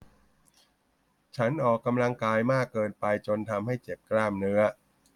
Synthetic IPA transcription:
t͡ɕʰa˦˥nʔɔː˨˩kːa˧mla˧ŋkaː˧jmaː˥˩kːɤː˧npa˧jt͡ɕo˧nt̪ʰa˧mha˥˩jt͡ɕe˨˩p̚klaː˥˩mnɯ˦˥ɐ

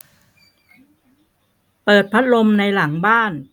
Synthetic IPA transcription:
pɤː˨˩t̪̚pʰa˦˥t̪̚lo˧mna˧jla˩˦ŋbaː˥˩n

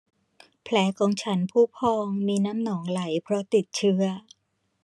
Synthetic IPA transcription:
pʰlɛː˩˦kʰɔː˨˧ŋt͡ɕʰa˦˥npʰuː˥˩pʰɔː˧ŋmiː˧naː˦˥mnɔː˩˦ŋla˩˦jpʰɾɔ˦˥t̪i˨˩t̪̚t͡ɕʰɯ˦˥ɐ

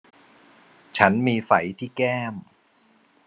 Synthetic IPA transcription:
t͡ɕʰa˦˥nmiː˧fa˩˦jt̪ʰiː˥˩kɛː˥˩m

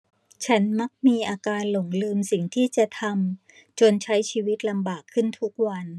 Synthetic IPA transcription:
t͡ɕʰa˦˥nma˦˥k̚miː˧ʔaː˧kaː˧nlo˩˦ŋlɯː˧msi˨˩ŋt̪ʰiː˥˩t͡ɕa˨˩t̪ʰa˧m | t͡ɕo˧nt͡ɕʰa˦˥jt͡ɕʰiː˧wi˦˥t̪̚la˧mbaː˨˩kʰːɯ˥˩nt̪ʰu˦˥k̚wa˧n

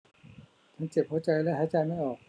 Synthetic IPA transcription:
t͡ɕʰa˦˥nt͡ɕe˨˩p̚hoː˨˦˥t͡ɕa˧jlɛː˦˥ɦaː˨˦t͡ɕa˧jma˥˩jʔɔː˨˩k̚

